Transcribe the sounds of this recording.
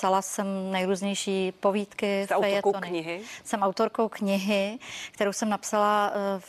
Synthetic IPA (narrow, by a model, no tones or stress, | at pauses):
salasɛmnɛjɾuːzɲɛjʃiːpoviːt̪kɪfɛjɛonɪɪɦɪsɛmawt̪o̞ɾko̞wkɲɪɦɪkt̪ɛɾowsɛmnapsala